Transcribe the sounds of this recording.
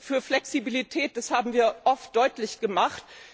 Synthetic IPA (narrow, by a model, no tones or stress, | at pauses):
fyːɐflɛksibilitʰɛːt̚d̥ashaːbm̩viːɐʔɔft̚d̥ɔʏtlɪçɡ̥əmaχt